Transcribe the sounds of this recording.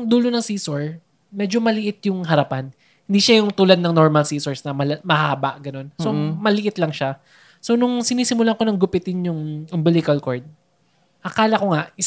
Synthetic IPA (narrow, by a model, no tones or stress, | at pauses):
ŋd̪uːlonɐŋsiːsoɹ | mɛːd͡ʒo̞mɐlɪʔɪt̪̚jʊŋɦɐɾɐpan | hɪnd̪iʃajʊŋt̪uːlɐd̪̚nɐŋno̞ɹmɐlsiːsoɹsnɐmɐlɐmɐhaːbɐʔɡɐno̞nso̞mɐlɪʔɪt̪lɐŋʃa | so̞nʊŋsɪniːsɪmʊlako̞nɐŋɡʊpɪt̪ɪnjʊŋʊmbɪlɪkɐlkoɹd̪̚ | ʔɐkaːlɐko̞ŋaʔɪ